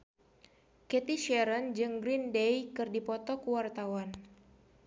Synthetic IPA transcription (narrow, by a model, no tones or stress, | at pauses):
kɛt̪iʃɛɾənd͡ʒɨŋɡɾindejkɨrdipɔt̪ɔkuwart̪awan